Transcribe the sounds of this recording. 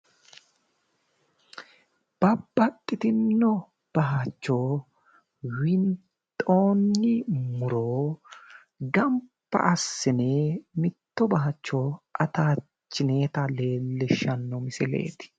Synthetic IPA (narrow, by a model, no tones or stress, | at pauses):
b̥ɐbːɐt̪ʼːɪt̪ɪnːɔ | b̥ɐɦɐt͡ʃːoː | wɪnt̪ʼo̞ːnːɪmʊɾoː | ɡɐmpːɐ̰ʔɐsːɪneːmɪt̪ːɔbɐɦɐt͡ʃːoːʔɐt̪aː | t͡ʃːɪneːt̪ɐle̞ːlːɪʃːɐnːɔmɪsɪlḛːt̪ɪ̥